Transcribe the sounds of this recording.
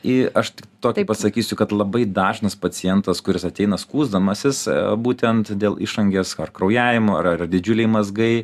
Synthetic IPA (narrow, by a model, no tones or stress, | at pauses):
ɪʔɐʃt̪ʲɪkt̪oːkʲɪpɐsɐkʲiːsʲʊkɐt̪lˠɐbɐɪd̪ɑːʒnɐspɐt͡s̪ʲɪjɛnt̪ɐskʊɾʲɪsɐt̪ʲɛɪnɐskuːzd̪ɐmɐsʲɪsbuːt̪ʲɛnt̪d̪ʲeːlˠɪʃɐŋʲɡʲeːsɐrkɾɐʊjæːʋʲɪmoːɐɐd̪ʲɪd͡ʒʲʊlʲɛɪmɐzɡɐɪ